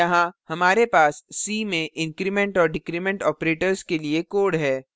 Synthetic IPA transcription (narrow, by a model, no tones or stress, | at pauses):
jɐɦãhɐmaːɾepaːsːiːmẽʔɪ̃ŋkɾimɛ̃ɳʈɔːɾɖɪkɾimɛ̃ɳʈɔːpɾeːʈəɾskeliekoːɾɖɦɛː